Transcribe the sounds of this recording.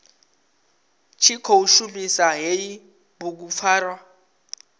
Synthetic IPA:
t͡ʃʰikʰouʃumisaɦeji | buk̬up̪fʰaːrwa

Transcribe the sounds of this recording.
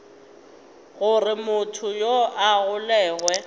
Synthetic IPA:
ɣʊrɪmʊtʰʊjoʔaɣʊlɛːɣwɛ

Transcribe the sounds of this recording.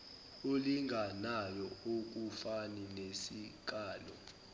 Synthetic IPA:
oliŋɡʱanajɔok̬ufaninesik̬aːlɔ

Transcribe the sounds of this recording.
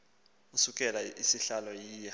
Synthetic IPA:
usukʼɛlaisiɬalɔjiːjɛ

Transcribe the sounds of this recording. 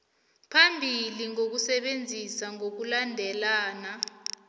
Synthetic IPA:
pʰambʱiliŋok̬usɛɓend͡zʱisaŋok̬ulandʱɛlaːna

